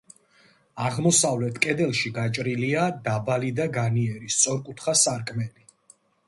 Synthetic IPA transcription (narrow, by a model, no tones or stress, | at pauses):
aʁmɔsavlɛt̪ʰkʼɛd̪ɛlˠʃiɡat͡ʃʼɾiliad̪abalid̪aɡaniɛɾist̪sʼɔɾkʼut̪ʰχasaɾkʼmɛli